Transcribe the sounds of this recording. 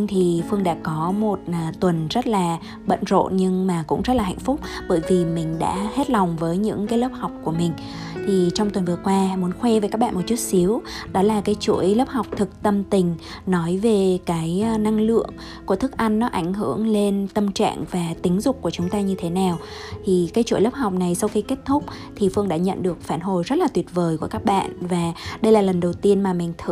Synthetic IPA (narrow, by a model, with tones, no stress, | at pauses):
t̪ʰi˨˩fɨ˧əŋɗa̰ː˧˥kɔ˨˦mo˨˩t̚ːt̪wə˨˩nzə˦˥t̚laː˨˩ | ɓə̰˧˨nzo̰˧˨ɲɨ˧ŋmaː˨˩kʊ̰˧˥ŋ͡mzə˦˥t̚laː˨˩a̰˧˨jŋ̟fʊ˦˥k͡p̚ɓəː˧˩jvi˨˩mï˨˩ŋ̟ɗa̰ː˧˥he˦˥t̚la˨˩wŋ͡mvəː˨˦jɲɨ̰˧˥ŋkaː˨˦jləː˦˥p̚ha˨˩wk͡p̚ku˧˩əmï˨˩ŋ̟ | t̪ʰi˨˩t͡ɕɔ˧wŋ͡mt̪wə˨˩nvɨ˨˩əkwaː˧mu˨˦ənxwɛ˧vəː˨˦ka˦˥k̚ɓa̰ː˧˨mo˨˩t̚t͡ɕu˦˥t̚si˨˦əwɗɔ˨˦laː˨˩kaː˨˦jt͡ɕṵ˧˨əjləː˦˥p̚ha˨˩wk͡p̚t̪ʰɨ˨˩k̚t̪ə˧mt̪ï˨˩ŋ̟ | nɔ˨˦jve˨˩kaː˨˦jna˧ŋlɨ̰˧˨əŋ | ku˧˩ət̪ʰɨ˦˥k̚ʔa˧jŋːɔ˨˦ʔa˧˩jŋ̟ɦɨ̰˧˩˨əŋle˧nt̪ə˧mt͡ɕa̰ː˧˨ŋvaː˨˩t̪ï˨˦ŋ̟zʊ˨˩k͡p̚ku˧˩ət͡ɕʊ˨˦ŋ͡mt̪aː˧ɲɨ˧t̪ʰe˨˦naː˨˩w | t̪ʰi˨˩kaː˨˦jt͡ɕṵ˧˥˨jlə˦˥p̚ha˨˩wk͡p̚na˨˩jsa˧wxi˧ke˦˥t̚t̪ʰʊ˦˥k͡p̚t̪ʰi˨˩fɨ˧əŋɗa̰ː˧˥ɲə̰˧˨nɗɨ˨˩ək̚faː˧˩nɦo˨˩jzə˦˥t̚laː˨˩wi˨˩ət̚vəː˨˩jku˧˩əkaː˦˥k̚ɓa̰ː˧˨nvaː˨˩ɗə˧jlaː˨˩lə˨˩nɗə˨˩wt̪i˧ənmaː˨˩mï˨˩ŋ̟t̪ʰ